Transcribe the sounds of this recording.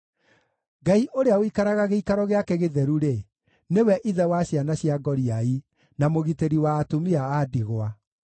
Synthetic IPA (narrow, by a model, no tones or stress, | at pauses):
ɡaiʔoɾeawikaɾaɣaɣeikaɾɔɣeakeɣeðɛɾuɾe | newɛʔiðɛwaɕjanaɕiaɡɔɾiai | namoɣiteɾiwaːtomiaːdiɣwa